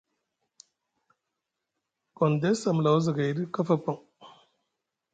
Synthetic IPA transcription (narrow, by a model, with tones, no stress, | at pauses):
ɡɔ˨nde˦sa˨m˨la˨wzə˨ɡa˨jɾi˦ka˦fa˦˨pa˨ŋ